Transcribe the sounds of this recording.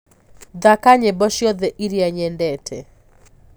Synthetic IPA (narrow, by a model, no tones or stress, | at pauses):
d̪akaɲɛbɔʃjɔd̪ɛʔiɾjaɲɛndɛtʰɛ